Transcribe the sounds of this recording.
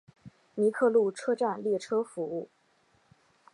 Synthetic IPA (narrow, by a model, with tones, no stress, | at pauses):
ni˧˥kʰɤ˥˧lu˥˩ʈ͡ʂʰɤ˥ʈ͡ʂa˥˧nljɛ˥˩ʈ͡ʂʰɤ˥fu˧˥u˥˩